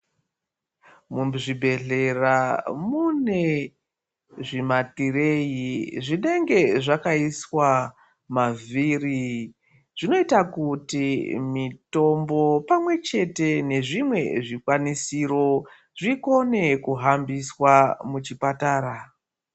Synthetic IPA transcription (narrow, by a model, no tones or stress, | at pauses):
muʐibʱe̞ɮe̞ramune̞ | ʐimatire̞jiʐine̞ŋɡe̞ʐakaiswa | maviri | ʐ̥ino̞itakutimito̞mbo̞pamwe̞t͡ʃe̞te̞ne̞ʐimwe̞̰ʐikwanisiɾo̞ | ʐiko̞ne̞kuɦambiswamut͡ʃipataːɾa